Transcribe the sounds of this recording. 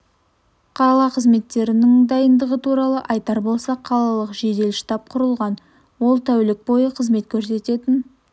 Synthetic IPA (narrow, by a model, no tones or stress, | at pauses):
qʰɑlˠɑqʰəzme̞t̪ːe̞ɾɪnɪŋd̪ɑjənd̪əʁət̪ʰuɾɑlˠəʔɑjt̪ɑɾbo̞lˠsɑqʰːɑlˠɑlˠəqʒe̞d̪e̞lʃt̪ɑp̚qʰʊɾəlˠʁɑn | wo̞lˠt̪ʰæwlɪk̚bo̞jəqʰəzme̞t̪kʲʰɵɾse̞t̪e̞t̪ɪn